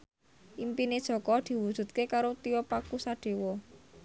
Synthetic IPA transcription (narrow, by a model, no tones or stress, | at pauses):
ʔimpined̥ʒ̥ɔ̤kɔd̪̥i̤wud̥ʒ̥ṳt̪̚kekaɾot̪iɔpakusaɖ̪̥e̤wɔ